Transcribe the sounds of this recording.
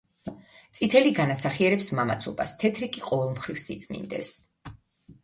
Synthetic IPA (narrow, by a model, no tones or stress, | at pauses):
t̪sʼit̪ʰɛliɡanasaχiɛɾɛpsmamat̪sʰɔba̰st̪ʰɛt̪ʰɾikʼiqʼɔvɛlˠmχɾifsit̪sʼmḭnd̪ɛ̰s